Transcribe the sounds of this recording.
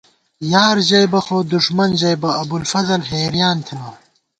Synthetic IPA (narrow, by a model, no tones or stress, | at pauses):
jaːɾʑɐjbɐxoːd̪uʂmɐnʑɐjbɐːbulfɐzɐlɦeːɾjaːnt̪ʰinaː